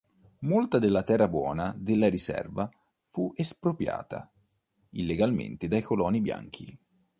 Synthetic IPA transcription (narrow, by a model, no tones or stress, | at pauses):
molt̪ad̪elːat̪ɛrːabwɔ̰ːnad̪elːaɾisɛ̰rva | fuʔespɾopɾja̰ːt̪a̰ | ilːeɡalmḛnt̪ed̪ajkolɔːnibja̰ŋk̟ʰḭ